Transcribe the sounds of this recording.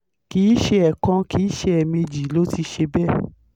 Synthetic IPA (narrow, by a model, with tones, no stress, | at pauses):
kiː˨˦ʃe˧˦ɛ˨kã˧ki˨˦ʃe˧ɛ˨mẽ˧d͡ʒi˨˦lo˦ti˧ʃe˧bɛ˦˨